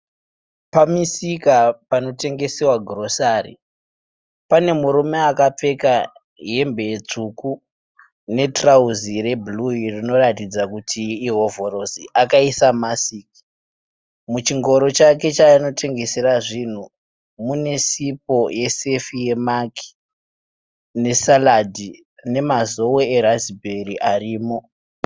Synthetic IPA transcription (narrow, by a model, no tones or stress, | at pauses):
pamisikapano̞te̞ŋɡe̞sewaɡʱro̞saːrḭ | pane̞muɾume̞akap͡fe̞ka | ɦe̞mbe̞jet͡ʂuku | ne̞trauzire̞bluirino̞ratid͡zakutʰiːɦo̞vo̞ɾo̞siʔakaisamasiːki̥ | mut͡ʃiŋɡo̞ɾo̞t͡ʃake̞t͡ʃano̞tʰe̞ŋɡe̞seraʐin̤u | mune̞sip̚o̞je̞se̞fije̞maki̥ | ne̞saladi | ne̞mazo̞woeɾazibʱe̞riʔariːmo̞